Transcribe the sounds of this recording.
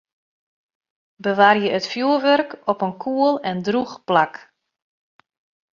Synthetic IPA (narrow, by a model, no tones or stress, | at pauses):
bəʋaːrjəətfjuərʋørkɔpənkʰuəlˠɛndruxplak